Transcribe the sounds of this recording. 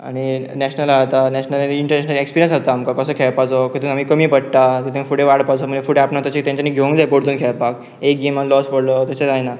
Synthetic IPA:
a̰ɽ̃inɛɕnalaat̪anɛɕnəliɳʈəɾnɛɕnəlekspiɾijənsat̪aːmkakəsəːkʰɛɭpad͡zɔkət̪unamiːkəmiːpəɽt̪at̪ət̪amifuɽeʋaɽpad͡zɔməɳefuɽeapnat̪ət͡ɕit̪ãɲt͡ɕaniːɡʱeũŋɡd͡zajpoɽt̪uːnkʰɛɭpak̚ | ekɡimalɔspəɽlət̪at͡ɕed͡zajna

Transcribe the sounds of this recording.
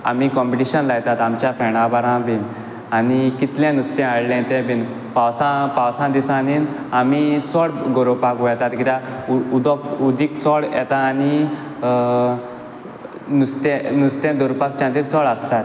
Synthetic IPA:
a̰m̤ikɔmpiʈiɕənlajt̪at̪amt͡ɕjafɛɽãbaɾãʋin | anikit̪lɛ̃nust̪ɛ̃aɭlɛ̃t̪ɛ̃bin | pawsãpawsãd̪isãnin | amit͡sɔɽɡɔɾopakujɛt̪at̪kit̪aud̪ɔkud̪ik̚t͡sɔɽjɛ̰t̪aːni | nust̪ɛnust̪ɛ̃d̪ɔɾupakt͡ɕãt̪iɾt͡sɔɭəst̪at̪

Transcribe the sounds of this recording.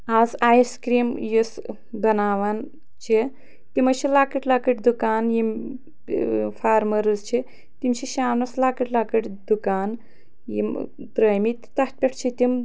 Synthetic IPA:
aːzaːjskɾiːmjis | bɐnaːʋan | t͡ʃʰi | t̪imɐʃʰilaːkəʈlaːkəʈd̪ukaːnjim | faːɾmɐɾɨzt͡ʃʰi | t̪imt͡ʃʰiʃaːnɐslaːkɐʈlaːkɐʈʲd̪ukaːn | jḭm | t̪ɾɐːjmit̪ʲt̪ɐh̪̚pʲeʈʰt͡ʃʰit̪ʲim

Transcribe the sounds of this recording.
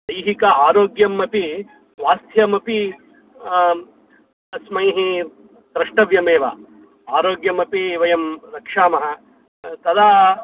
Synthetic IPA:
d̪ɐjɦikɐaːɾoːɡjɐmːɐpi | ʋaːst̪ʰjɐmɐpi | ɐsmɐjɦi | d̪ɾɐʂʈɐʋjɐmeːʋɐ̰ | aːɾoːɡjɐmɐpiʋɐjɐmɾɐkʂaːmɐɦɐ | t̪ɐd̪aː

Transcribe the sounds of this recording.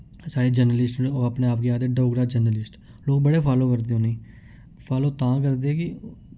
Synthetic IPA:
saːɾeːd͡ʒəɾnəlɪsʈoːəpneːaːpɡeːaːd̪eːɖoːɡɾaːd͡ʒəɾnəlɪsʈ | loːk̚bəɽeːpʰaːloːkəɾd̪eːɦõːneĩː | pʰaːloːt̪ãːkəɾd̪eːɛːkɪ

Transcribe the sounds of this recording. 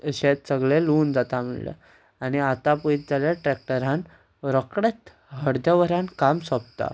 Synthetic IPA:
ɕet̪səɡɭeluːnd͡zat̪am̤ḭɭlə̰ | aniat̪apəit̪̚d͡zaljaʈɾɛk̚ʈəɾan | ɾəkɽet̪ | ɦəɽd̪jəʋəɾãnkamsɔb̚t̪a̰

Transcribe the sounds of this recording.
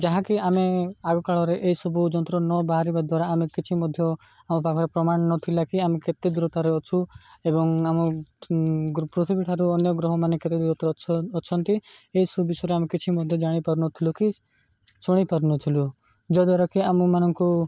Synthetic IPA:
d͡ʒaɦãkiameaɡɔkaɭɔɾeʔeisɔbud͡ʒɔnt̪ɾɔnɔbaɦaɾibad̪waɾaːmekit͡ʃʰimɔd̪ʱjɔ | amɔpakʰɔɾepɾɔmaɳ̃nɔt̪ʰilakiameket̪ed̪uɾɔt̪aɾeɔt͡ʃʰuebɔŋamɔ | ɡpɾɔt̪ʰibiʈʰaɾuɔnjɔɡɾɔɦɔmaneket̪ed̪uɾɔt̪aɾʰɔt͡ʃʰɔnt̪ieɦisɔbubisɔɾeamekit͡ʃʰimɔd̪ʱjɔd͡ʒaɽ̃ipaɾnɔt̪ʰiluki | t͡ʃuɽ̃ipaɾnɔt̪ʰilu | d͡ʒɔd̪aɾɔkiamumanɔŋku

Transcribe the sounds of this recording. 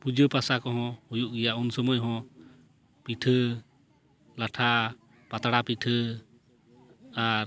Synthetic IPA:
pud͡ʒəpasakɔɦɔ̃hujuʔɡɛjaʔunsɔmɔjɦɔ̃ | piʈʰə | laʈʰa | pat̪ɽapiʈʰə | aɾ

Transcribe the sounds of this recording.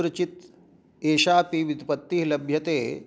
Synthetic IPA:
ɾɐt͡ʃit̪ | eːʃaːpiʋud̪ʱpɐt̪ːiːɦlɐbʱjɐt̪eː

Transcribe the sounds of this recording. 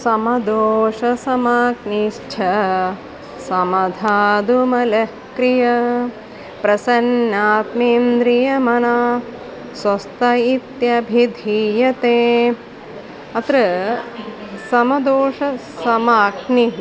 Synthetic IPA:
sɐmɐd̪oːʃɐsɐmaːkniʃt͡ʃʰɐ | sɐmɐd̪ʱaːd̪umɐlɐ | kɾijɐ | pɾɐsɐnːaːt̪miːnd̪ɾijɐmɐnaː | swɐst̪ɐit̪jɐbʱid̪ʱijɐt̪eː | ɐt̪ɾɐ | sɐmɐd̪oːʃɐ | sɐmaːkni

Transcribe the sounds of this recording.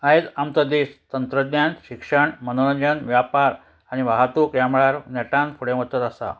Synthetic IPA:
aɦet̪amt̪əd̪est̪ənt̪ɾəd̪njanɕikʂəɳmənoɾəɲd͡ʑənʋjapaɾ | aɽ̃iʋaɦat̪ukɾjamɭaɾnɛʈãnpʰuɽẽmət̪ːət̪asa̰

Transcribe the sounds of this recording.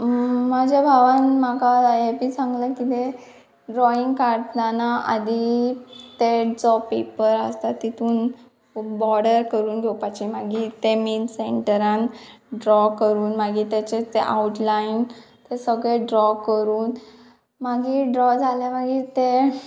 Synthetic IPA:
mad͡ʑʱabʱaʋanmakajepiːsãŋɡləkit̪e | ɖɾɔiŋɡkaɾnanaʔa̰d̪ʱi | t̪eʈt͡sɔpepəɾast̪at̪it̪ʰuːn | bɔɾɽəɾkəɾuːnɡʱɔwpat͡ɕimaɡiːt̪eminseɳʈəɾãnɖɾɔkəɾuːnmaɡiːt̪at͡ɕet̪eʔauʈlain | t̪esəɡɭeɖɾɔkəɾuːn | maɡiːɖɾɔd͡zʱalemaɡiːt̪e

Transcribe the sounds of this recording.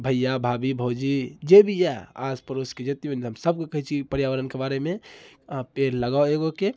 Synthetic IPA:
bʱəjːabʱabibʱowd͡ʒid͡ʒebʱijɛa̰spəɾosked͡ʒet̪ioniɦəmsəb̚kekəɦit͡ʃʰipəɾjaʋəɾənkebaɾeme | peɾləɡaeɡoke

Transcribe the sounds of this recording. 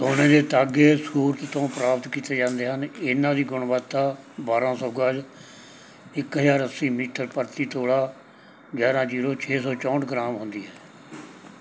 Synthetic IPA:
soːnẽːd̪eːt̪aːɡeːsuːɾt̪t̪õːpɾaːpət̪kiːt̪eːd͡ʒãːnd̪eːɦənɪnãːd̪iːɡʊɳʋaːt̪ːaː | baːɾãːsɔːɡaːd͡ʒ | ɪkɦəd͡ʒaːɾəsːiːmiːʈʰəɾpəɾt̪iːt̪oːɽaː | ɡjaːɾãːd͡ʒiːɾoːt͡ʃʰeːsɔːt͡ʃɔ̃ːɳʈɡɾaːmɦʊnd̪iːɦɛː

